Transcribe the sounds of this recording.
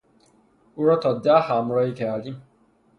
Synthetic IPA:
uɾɔtɔdaham̩ɾɔikɛali

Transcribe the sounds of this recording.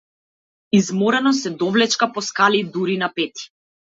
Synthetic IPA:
izmɔɾɛnɔsɛd̪ɔvlɛt͡ʃkapɔskalid̪uɾinapɛt̪i̥

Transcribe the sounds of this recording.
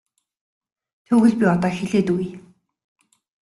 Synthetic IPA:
t̪ʰɵːɣɘ̆ɮpʲiɔt̪ɔːxeɮeːt̪uj

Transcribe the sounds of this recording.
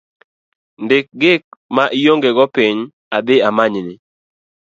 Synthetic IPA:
ndɪk̚ɡɪk̚maʔijoŋɡeɡɔpiɲ | ad̪ɪamaɲnɪ

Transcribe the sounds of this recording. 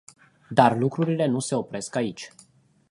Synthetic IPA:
d̪arlukɾuɾile̞nuse̞o̞pɾe̞skait͡ʃʲ

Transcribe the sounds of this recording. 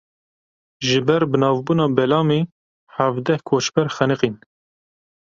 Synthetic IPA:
ʒɨbɛɾbɨnɑːvbuːnɑːbɛlɑːme | hævd̪ɛhkʰot͡ʃbɛɾxænɨqin

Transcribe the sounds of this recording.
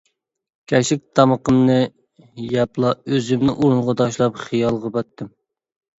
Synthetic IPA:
kʲʰɛʃɪk̚ʲt̪ʰɑməqəmnɨ | jɑplˠɑøzɪmnɪ̰ʔuɾunʁɑt̪ʰɑʃlˠɑpχijɑlˠʁɑbɑt̪ʰːɪm

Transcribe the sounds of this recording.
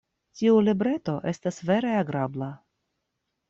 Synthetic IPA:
tiulibɾe̞to̞ʔe̞stasve̞ɾe̞aɡɾabla

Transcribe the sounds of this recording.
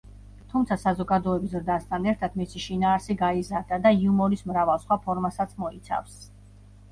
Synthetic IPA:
t̪ʰumt̪sʰasazɔɡad̪ɔɛbisɾd̪ast̪ʰanɛɾt̪ʰat̪misiʃinaːɾsiɡaizaɾd̪ad̪aiumɔɾismɾavalˠsχwapʰɔɾmasat̪sʰmɔit̪sʰa̰fs

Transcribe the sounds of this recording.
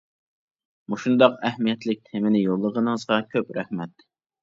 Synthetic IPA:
muʃund̪ɑqɛhmijɛt̪lɪk̚ʲt̪ʰemɪnɪjolˠːəʁənɨzʁɑkʲʰøpɾæhmɛt̪ː

